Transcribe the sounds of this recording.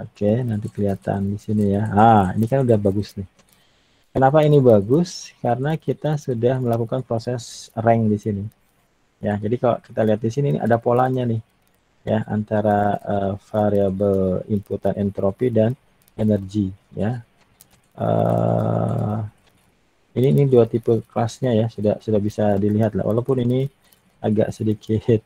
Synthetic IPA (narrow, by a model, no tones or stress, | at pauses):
okenant̪ikəliat̪a̰ndisinijaaḭnikanudahbaɡʊsnɪh | kənapainibaɡʊskaɾənakit̪asudahməlakukanpɾosɛsrɛŋdisini | jad͡ʒadikalo̰kit̪aliɦat̪̚disininḭʔa̰dapolaɲanɪh | jaa̰nt̪aɾaəfaɾiabəlimput̪anʔɛnt̪ɾopidan | enərɡija | ʔə̰ | ininiduat̪ipukəlasɲajasudahsudahbisadiliɦat̪la̰wʔa̰lawpʊnini | ʔaɡa̰ʔsədikʰɪt̪̚